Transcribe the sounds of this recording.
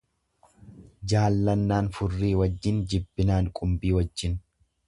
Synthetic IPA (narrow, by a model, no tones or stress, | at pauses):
d͡ʒaːlːɐnːaːnfʊrːiːwɐd͡ʒːɪnd͡ʒɪbːɪnaːŋkʼʊmbiːwɐd͡ʒːɪn